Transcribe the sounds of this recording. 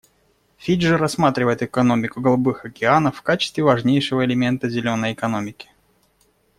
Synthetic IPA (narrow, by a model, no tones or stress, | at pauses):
fʲiʐɨɾɐsːmat̪ɾʲɪvəjɪt̪ɨkɐno̞mʲɪkʊɡəlˠɐbɨxɐkʲɪanəfːkat͡ɕɪ̥st̪vʲɪvɐʐnʲejʂɨvəɪlʲɪmʲe̞nt̪əzʲɪlʲo̞nːəjɪkɐno̞mʲɪkʲɪ̥